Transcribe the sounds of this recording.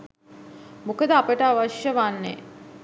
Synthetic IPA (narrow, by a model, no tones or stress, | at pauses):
mukəd̪əapəʈəaʋaʃjəʋanːḛ